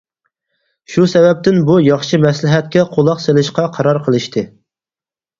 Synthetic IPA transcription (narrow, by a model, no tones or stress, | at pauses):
ʃusɛvɛp̚t̪ʰɪnbujɑχʃɨmɛslɪɦɛt̪̚kʲɛqʰolˠɑqselɪʃqɑqʰɑɾɑɾqʰəlˠɨʃt̪ʰɨ